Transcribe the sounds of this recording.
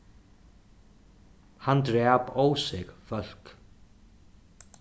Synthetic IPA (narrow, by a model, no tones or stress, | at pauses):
hant̪ɾɛːpowsɪɣfœl̥k